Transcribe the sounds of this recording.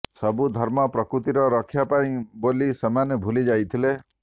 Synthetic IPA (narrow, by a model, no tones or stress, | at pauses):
sɔbud̪ʱɔɾmɔpɾɔkɾut̪iɾɔɾɔkʰːjapaĩbolisemanebʱulid͡ʒajt̪ʰile